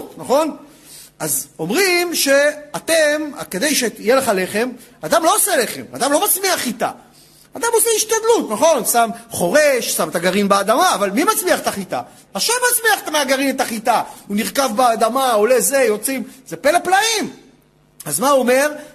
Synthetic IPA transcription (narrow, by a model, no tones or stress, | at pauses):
tnaχo̞n | azo̞mʁimʃe̞at̪e̞ma̰ke̞d̪e̞jʃe̞ijeleχale̞χe̞m | ad̪amlo̞osele̞χema̰d̪amlo̞mat͡smiaχit̪a̰ | ad̪amo̞seiʃt̪ad̪lutnaχo̞nsamχo̞ʁeʃsamt̪aɡaʁinbeːd̪amaːvalmimat͡smiaχet̪aχit̪a̰ | aʃevmːat͡smiaχet̪ameaɡaʁinet̪aχit̪auniʁkavbead̪amao̞le̞zejo̞t͡simze̞pe̞leplaim | azmao̞me̞ʁ